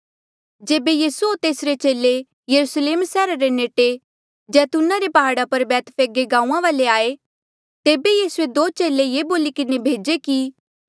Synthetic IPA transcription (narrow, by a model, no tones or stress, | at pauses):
d͡ʒeːbejiːsuoːɾt̪eːsɾet͡ʃeːle | jɐɾusleːmsɛːɾaɾeneːʈe | d͡ʒɛːt̪unaɾepɐɦaːɽapɐɾbɛːt̪ʰpʰeːɡeɡãːũːãʋaːleaːe | t̪eːbejiːsued̪oːt͡ʃeːlejeːboːlikɪnebʱeːd͡ʒeki